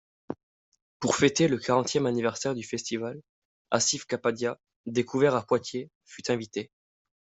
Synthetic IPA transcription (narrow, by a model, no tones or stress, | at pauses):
puʁfet̪eləkʰaʁɑ̃t̪jɛmanivɛʁsɛʁd̪yfɛst̪ival | a̰sifkapad̪ja | d̪ekʰuvɛʁapwat̪je | fyt̪ɛ̃vit̪e